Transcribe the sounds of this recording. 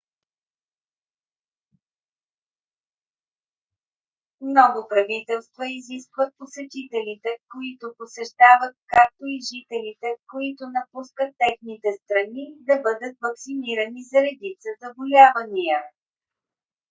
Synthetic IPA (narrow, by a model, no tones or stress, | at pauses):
mnɔɡʊpɾɐvit̪ɛlˠst̪vəiziskvət̪̚posɛt̪it̪ɛlit̪ɛkoit̪ʊposɛʃt̪avət̪̚kak̚t̪oiʒit̪ɛlit̪ɛkoit̪ʊnɐpuskət̪ːɛxnit̪ɛst̪ɾɐnid̪ɐbɤd̪ət̪vɐksiniɾənizɐɾɛd̪it̪səzɐbolʲavɐnijə